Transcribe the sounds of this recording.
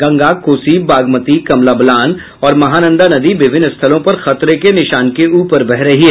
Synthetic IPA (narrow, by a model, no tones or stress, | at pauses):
ɡɐ̃ŋɡakoːsibaːɡmət̪ikɐmlablaːn | ɔːɾmɐɦaːnɐ̃nd̪anɐd̪iʋɪbʱɪnːst̪ʰɐlõpɐɾxɐt̪ɾekenɪʃaːnkeuːpəɾbɛɦɾɐɦiɦɛː